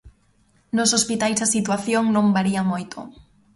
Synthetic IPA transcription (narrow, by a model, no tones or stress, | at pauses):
nosospit̪ajzðasit̪waθjoŋnõŋbaɾiamojt̪ʰo̰